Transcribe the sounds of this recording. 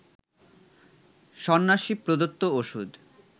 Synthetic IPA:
ʃɔnːaʃipɾod̪ot̪ːooʃud̪

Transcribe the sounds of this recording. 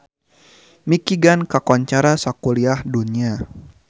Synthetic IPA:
mikiɡankakɔɲt͡ʃaɾasakuliahdunia

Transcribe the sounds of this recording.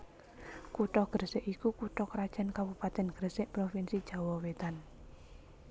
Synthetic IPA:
kuʈɔɡ̥ərseʔikukuʈɔkɾad̥ʒ̥a̤nkabupat̪ɛnɡ̥ərseʔpɾofinsid̥ʒ̥a̤wɔwet̪an

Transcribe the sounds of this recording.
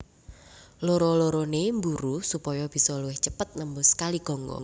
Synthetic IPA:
loɾɔloɾonembuɾusupɔjɔb̥i̤sɔluwɪht͡ʃəpət̪̚nəmbʊskaliɡ̥ɔ̤ŋɡɔ̰

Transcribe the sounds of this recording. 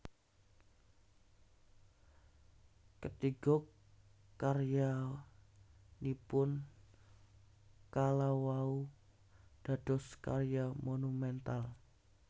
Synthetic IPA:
kət̪iɡɔ | karja | nipʊn | kalawau | d̥a̤d̥ɔskarjamonumɛnt̪al

